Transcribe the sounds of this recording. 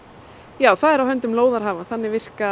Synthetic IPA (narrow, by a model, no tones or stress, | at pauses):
jaːwθaðɛɾawɦœnt̪ʏmloːwðaɾɦaːvanθanːɪvɪr̥ka